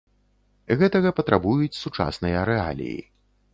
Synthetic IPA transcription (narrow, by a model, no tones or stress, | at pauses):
ɣɛt̪ɐɣɐpɐt̪ɾʔabujut͡sʲsut͡ʂa̰snɨjɐɾɛa̰lʲḭjḭ